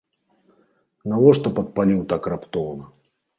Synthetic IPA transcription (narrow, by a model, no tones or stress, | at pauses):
nɐwɔʂt̪ɐpɐt̪̚palʲiwt̪akrapt̪ɔvnɐ